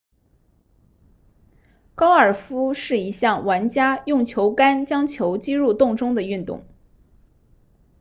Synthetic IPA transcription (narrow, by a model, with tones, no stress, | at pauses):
kɑ˥ʊə˞˨˩fu˥ʂɻ̩˥˩i˧˥ɕjɑ˥˩ŋwa˧˥nt͡ɕja˥jʊ˥˩ŋt͡ɕʰjo˧˥ʊka˥nt͡ɕjɑ˥ŋt͡ɕʰjo˧˥ʊt͡ɕi˥ɻu˥˧t̪ʊ˥˧ŋʈ͡ʂʊ˥ŋd̪ə˨y˥˧nt̪ʊ̰˥˩ŋ